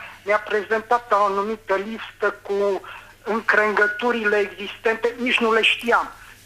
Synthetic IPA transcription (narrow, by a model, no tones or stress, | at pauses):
mapɾezent̪at̪aonumit̪əlist̪əku | ɨŋkɾeŋɡət̪uɾileːɡzist̪ent̪enit͡ʃnuleʃt̪iam